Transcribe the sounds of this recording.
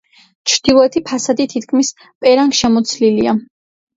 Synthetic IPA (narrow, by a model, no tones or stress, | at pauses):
t͡ʃʰɾd̪̥ilˠɔɛt̪ʰipʰasad̪it̪ʰit̪kʰmis | pʼɛɾaŋɡʃɛmɔt̪sʰlilia